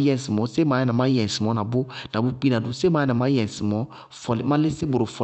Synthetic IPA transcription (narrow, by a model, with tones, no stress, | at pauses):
jɛ̃˨si˨mɔ̃˨se˦mã˨˦jnã˨ma˦jɛ̃˨si˨mɔ̃˦na˨bo˦na˨bo˦k͡pi˦na˨dũ˨se˦mã˦jnã˨ma˦jɛ̃˨si˨mɔ̃˦ | fɔ˦li˨˦mã˦le˦se˦bo˨o˨fɔ˦˨